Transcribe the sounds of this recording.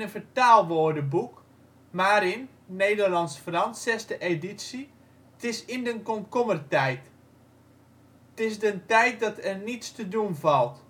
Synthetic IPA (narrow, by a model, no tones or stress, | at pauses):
ənfətaːlˠʋoːdəbuk | maːɾɪnː | eːdərlɑnsfrɑnsɛstəʔeditsi | tɪsɪndənkɔnkɔmərtɛjt | tɪsdəntɛjt̚dɔtɛrnitstədunvɑlˠt